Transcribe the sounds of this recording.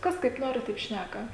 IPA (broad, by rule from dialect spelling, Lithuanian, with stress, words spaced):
ˈkɐs kɐɪp ˈnoːrʲɪ tɐɪp ˈʃʲnʲækɐ